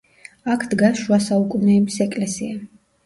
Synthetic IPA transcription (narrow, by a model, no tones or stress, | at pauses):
akʰd̪ɡaʃuasaukʼunɛːbisɛkʼlɛsḭa